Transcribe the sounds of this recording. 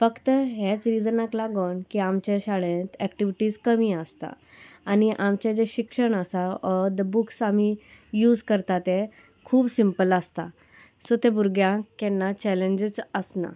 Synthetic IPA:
fəkt̪əɦɛt͡sɾid͡zənaklaɡɔɳkiamt͡ɕeɕaɭẽt̪ɛkʈiʋiʈiːskəmiəst̪a̰ | aniʔamt͡ɕed͡ʑeɕikʂəɳasaɔd̪əbuksam̤ijuːd͡zkəɾt̪at̪e | kʰuːbsimpəlast̪a̰ | sot̪ebuɾɡjãkɛnːat͡ɕɛleɲd͡ʑət͡səsna̰

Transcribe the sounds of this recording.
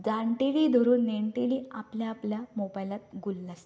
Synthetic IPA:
d͡zaɳʈiɽid̪ʱɔɾoneɳʈiɽiapljaːpljamobajlat̪ɡulːas

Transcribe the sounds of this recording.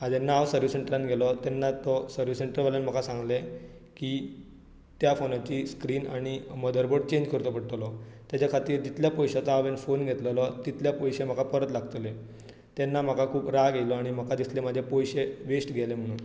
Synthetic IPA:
ad͡ʑenaʋsəɾʋiseɳʈɾanɡʱelɔt̪enːat̪ɔsəɾʋiseɳʈəɾʋalənm̤əkasãŋɡle | ki | t̪jafonat͡ɕiːskɾiːnaɽ̃iməd̪əɾboɽ̚t͡ɕeɲd͡ʑkəɾt̪ɔpəɽt̪lɔt̪jat͡ɕakʰat̪iːɾd͡ʑit̪ljapɔjɕat͡saʋenfonɡʱet̪llɔt̪it̪ljapɔjɕem̤əakapəɾət̪laɡt̪le | t̪enːam̤akakʰuːpɾaɡʱelɔaɽ̃im̤əkad̪islemad͡ʑʱepɔjɕeʋesʈɡʱelem̤əɽ̃uːn

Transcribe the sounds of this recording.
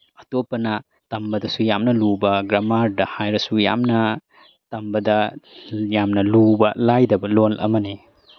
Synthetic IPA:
ɐtopːɐnɐ | tɐmbɐdɐsujamnɐlubɐɡɾɐmaɾdɐhajɾɐsuja̰mnɐ | tɐmbɐdɐ | jamnɐlubɐlajdɐbɐlolʔɐ̰mɐne

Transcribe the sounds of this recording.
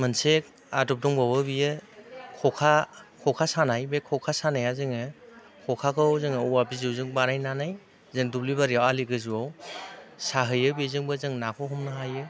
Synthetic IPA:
mɯnsek̚ | adɔp̚dɔŋbawɯbijɯkʰɔkʰakʰɔkʰasanajbekʰɔkʰasanajazɯŋɯ | kʰɔkʰakʰɯwzɯŋɯuwabizɯwzɯŋbaɾajnanaj | zɯŋduplibaɾiawaliɡɯzuaw | saɦɯjɯbizɯŋbɯzɯŋnakʰɔɦɔmnaɦajɯ

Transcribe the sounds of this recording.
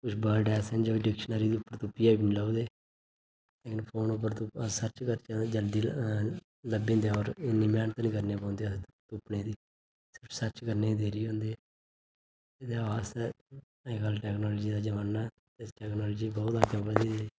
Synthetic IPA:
kʊt͡ʃʰbalɖɛːsɛnd͡ʒoːiɖɪkʃənaːɾiːd̪iːʊpːəɾt̪ʊpːiːaːbinilaud̪eː | leːkɪnpʰoːnʊp̬ːəɾt̪ũsət͡ʃkəɾt͡ʃãd͡ʒəld̪iː | ləbĩːnd̪eɔːɾɪnːiːmɛːnt̪ãːnĩːkəɾneːpãːnd̪et̪ʊpneːd̪iː | sɪɾpʰsəɾt͡ʃkəɾneːd̪eːɾiːɦõːnd̪eː | ed̪eaːʋaːst̪ɛː | ekalʈɛːknɔːlːd͡ʒiːd̪aːd͡ʒəʋaːnːaː | t̪esʈɛːknɔːlːd͡ʒiːbɔːt̪aːkabəd̪iːɦʊ̃nd̪iː

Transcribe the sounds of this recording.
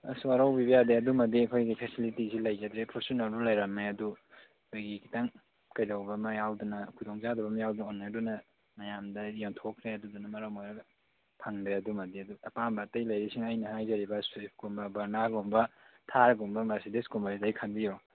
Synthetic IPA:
ɐsaɾawbibɐjadeɐdumɐdiɐkʰojɡipʰɛsilitisilɐjɡɐd̪ɾepʰoɾsonaldulɐjɾɐmeɐdu | ɐkʰojɡikʰitaŋ | kɐjzawbɐmɐjawdunɐkʰudɔŋt͡ʃadɐbɐmɐjawdunonːeɐdunɐ | mɐjamdɐjoŋtʰokʰɾeɐdudunɐmɐɾɐwmojɾɐɡ | pʰaŋdeɐdumɐdiɐduɐpambɐtɐjlɐjɾisiŋajnɐhajzɐɾibɐswip̚ʰkumbɐbɐɾnaɡumbɐtʰaɾɡombɐmaɾsideskumbɐɾsidajkʰanbijo

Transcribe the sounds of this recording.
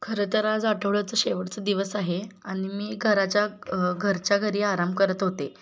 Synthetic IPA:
kʰəɾət̪əɾad͡zaʈʰəʋɭat͡səːɕeʋəɽt͡səd̪iʋəsaɦeaɽ̃imiːɡʱəɾat͡ɕjaɡʱəɾt͡ɕjaɡʱəɾiːaɾambkəɾət̪ɦot̪e

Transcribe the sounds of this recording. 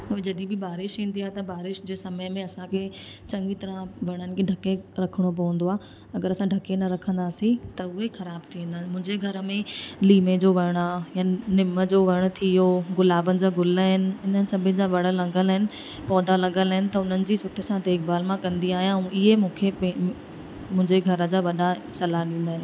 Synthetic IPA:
ʊɦed͡ʑɐd̪ibɪbaːɾɪʃĩːnd̪iaːɦet̪ɐbaːɾɪʃd͡ʑeːsɐməmẽɐsãkʰe | t͡ɕɐ̃ŋɡit̪ɐɾãʋɐɽ̃ənɪ̆kʰeɖʱɐkeɾɐkʰɪɽ̃op̬ɐʋə̃nd̪oaːɦ | ɐɡəɾɐsãɖʱɐkenɐɾɐkʰə̃nd̪aːsĩt̪ɐʊɦexɐɾaːbt̪ʰiĩːnd̪aːɪ̆mʊ̃ɦɪ̃ɲd͡ʑeɡʱɐɾəmẽliːmed͡ʑoːʋɐɽ̃ajaːnɪməd͡ʑoːʋɐɪɽ̃̆t̪ʰioɣʊlaːbənɪ̆d͡ʑaːɡʊləɦɪnɪ̆ɦɪnənɪ̆sɐbʱɪnd͡ʑaːʋɐɽ̤əlɐɡəlɦɪnɪ̆ | pɔːd̪ʱalɐɠəlɦɪnɪ̆t̪ɐʊn̤ənɪ̆d͡ʑiːsʊʈʰəsãd̪eːk̚baːlmãkɐ̃nd̪iaːɦijãɪɦemũːkʰep | mʊ̃ɦɪ̃ɲd͡ʑeɡʱɐɾə̆d͡ʑaːʋɐɗasɐlaɗĩːnd̪aːɦɪnɪ

